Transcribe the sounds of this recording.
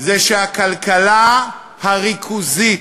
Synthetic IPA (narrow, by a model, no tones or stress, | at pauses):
zeʃehakalkala | haʁikʰuzi